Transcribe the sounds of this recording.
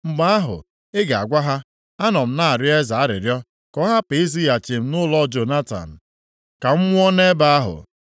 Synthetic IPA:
ŋ͡m̩˨ɡ͡ba˦a˦ɦʊ̰˨ | ɪ˦ɡa˨a̰˨ɡʷa˦ɦa˦ | a˦nɔ˨m̩˦na˦a˨ɾɪ˦e˦za˨a˦ɾɪ̰˨ɾjɔ˦ | kɔ˦ɦa˦pe˨i˦zi˦ja˨t͡ʃi˨m̩˦nʊ˦lɔ˦d͡ʒo˨na˦ta̰˨n̩˨ | ka˨m̩˦mʷʊ˦ɔ˦ne˦ba˦a˦ɦʊ̰˨

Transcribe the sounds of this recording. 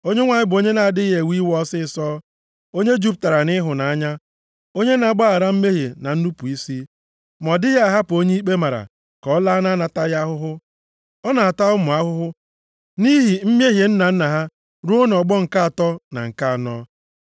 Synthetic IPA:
o˦ɲe˦ŋʷa˨ɲɪ˦bʊ˨o˦ɲe˦na˨a˨dɪ˦ɦe˨wi˦wɔ˦sɪ˦˨sɔː˦ | o˦ɲe˦d͡ʒu˦p̚ta˨ɾa˨nɪ˦ɦʊ˨na˨a˦ɲa˦ | o˦ɲe˦na˨ɡ͡ba˦a˨ɾa˦m̩˦me˦ɦe˨na˨n̩˦nu˦pu˨i˦si˦ | m˨ɔ˨dɪ˦ja˦a˨ɦa˦pʊ˨o˦ɲe˦i˦k͡pe˦ma˨ɾa̰˨ | kɔ˨˦la˦na˦na˨ta˦ja˦ɦʊ˦ɦʊ˦ | ɔ˦na˨a˨ta˦ʊ˦mʊ˨a˦ɦʊ˦ɦʊ˦ | ni˦ɦi˨m̩˦mje˦ɦje˨n̩˦na˨n̩˦na˨ɦa˦ | ɾu˦o˦n˨ɔ˨ɡ͡bɔ˦ŋ̩˨ka˦a˨tɔ˦na̰˨ŋ̩˨ka˦a˨nɔ˦

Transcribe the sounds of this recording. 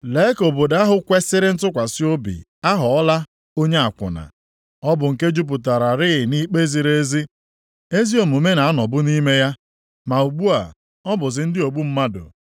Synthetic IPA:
le˦ko˨bo˨da˦ɦʊ˨kʷe˦sɪ˦ɾɪ˦n̩˦tʊ˦kʷa˨sɪ˦o˦bḭ˨ | a˦ɦʊ˨ɔ˦la˦ | o˦ɲe˦a˨kʷʊ̰˨na̰˨ | ɔ˦bʊ˨ŋ̩˨ke˦d͡ʒu˦p̬ʊ˨ta˨ɾa˨ɾɪ˦ɪ˨ni˦k͡pe˦zi˨ɾe˦zi˦ | e˦zi˦o˨m˨u˨me˦na˨a˦nɔ˨bʊ˦ni˦me˦ja˦ | ma˨u˨ɡ͡bu˦a˨ | ɔ˦bʊ˨zɪ˨n̩˦dɪ˦o˨ɡ͡bu˦m̩˦ma˦dʊ̰˨

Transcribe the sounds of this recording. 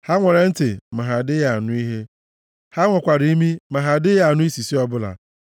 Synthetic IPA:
ha˦ŋʷe˨ɾe˨n̩˦te˨ma˨ɦa˨dɪ˦ja˨nʊ˦i˦ɦe˦ | ha˦ŋʷɔ˨kʷa˨ɾi˨i˦mi˦ma˨ɦa˨dɪ˦ja˨nʊ˦i˦si˨si˦ɔ˦bʊ˦la̰˨

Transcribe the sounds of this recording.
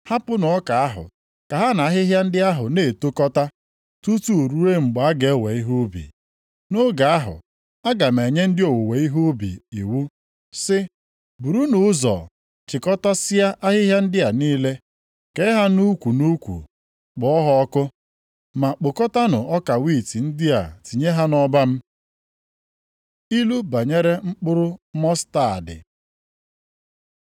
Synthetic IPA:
ha˦pʊ˦nʊ˨ɔ˦ka˨a˦ɦʊ̰˨ | ka˨ɦa˦na˨a˦ɦɪ˦ɦja˦n̩˦dɪ˦a˦ɦʊ˨ne˨to˦kɔ˦ta˦ | tu˦tu˦u˨ɾu˦e˦ŋ͡m̩˨ɡ͡ba˨a˦ɡe˨˦we˨i˦ɦu˦bḭ˨ | no˦ɡa˨a˦ɦʊ̰˨ | a˦ɡa˨m˨e˨ɲe˦n̩˦dɪ˦o˨wo˨we˨i˦ɦo˦bḭ˨ḭ˨wu˦ | sɪ˦ | bu˨ɾu˦nʊ˨˦zɔ̰˨ | t͡ʃɪ˨kɔ˦ta˦sɪ˦ja˦ʔa˦ɦɪ˦ɦja˦n̩˦dɪ˦a˨niː˦le˦ | ke˦ɪ˦ɦa˦nu˦kʷu˨nu˦kʷṵ˨ | k͡pʊ˨ɔ˦ɦɔ˦ɔ˦kʊ˦ | ma˨k͡po˨kɔ˦ta˦nʊ˨ɔ˦ka˨wi˦˨ti˨n̩˦dɪ˦a̰˨ti˨ɲe˦ɦa˦nɔ˦ba˦m̩˦ | i˦lu˦ba˨ɲe˦ɾe˦ŋ͡m̩˦k͡pʊ˦ɾʊ˦mɔ˦sta˨a̰˨dɪ̰˨

